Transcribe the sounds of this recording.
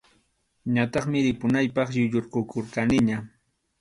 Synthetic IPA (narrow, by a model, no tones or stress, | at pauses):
ɲat̪ɑχmɪɾɪpʊnajpɑχjʊʎoɾqokoɾqanɪɲa